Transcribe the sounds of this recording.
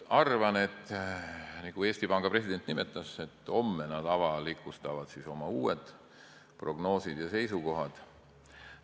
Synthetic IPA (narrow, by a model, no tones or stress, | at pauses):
ɑrvɑne̞t̪ːˑ | nikue̞ːst̪ipɑŋɡ̥ɑpre̞sid̪̥e̞nt̪ːˑnime̞t̪ːˑɑse̞t̪ːˑo̞mːenɑd̪ɑvɑlikːˑust̪ɑvɑd̪̥siso̞mɑuːed̪̥ | pro̞ɡno̞ːsid̪̥jɑse̞jsuko̞ɦɑd̪̥